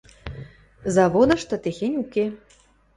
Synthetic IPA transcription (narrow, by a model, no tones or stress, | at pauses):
zɑβod̪ɤ̆ʃt̪ɤ̆t̪exenʲuke